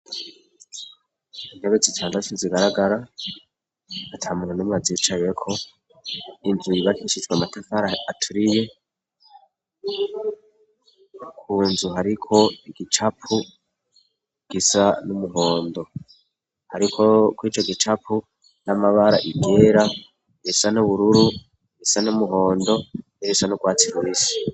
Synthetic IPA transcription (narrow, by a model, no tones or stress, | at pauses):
ineβezitʰaːndatuziɡaɾaɡaɾa | atʰamuhunumazit͡ʃajekʰo̞ | inzujiβatiʃizɡwamatafaɾaatʰuɾije̞ | kʰuːnzuɦaɾikʰo̞iɡit͡ʃapu | ɡ̥isanumuɦoːndo̞ | haɾikʰo̞kwiːt͡ʃo̞ɡit͡ʃapu | namaβaɾaʔiɡe̞ːɾa | ɾisanuβuɾuɾu | ɡisanumuɦo̞ːndo̞ | iɾisanuɡwaːt͡siɾwiːsi̥